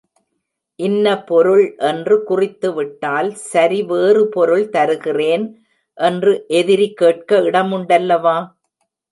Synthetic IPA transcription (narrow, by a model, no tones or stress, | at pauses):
ʔɪnːɐpɔɾɯɭʔɛndrɯkʊrɪt̪ːɯʋɪʈːaːlsɐɾiʋeːrɯpɔɾɯɭt̪ɐɾɯɣɪreːn | ʔɛndrɯʔɛðɪɾikːeːʈ̚kɐɪɽɐmʊɳɖɐlːɐʋaː